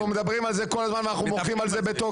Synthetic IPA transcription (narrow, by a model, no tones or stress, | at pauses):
ume̞d̪abʁimalzeko̞lazmanvanaχnumoχimalzebet̪o